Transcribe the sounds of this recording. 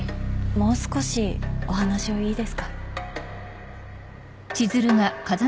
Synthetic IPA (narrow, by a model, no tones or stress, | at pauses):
mo̞ːsɨ̥ko̞ɕio̞ɦanaɕioiːd̪e̞sɨ̥kḁ | t͡ɕizɨɾɯ̟ŋakaza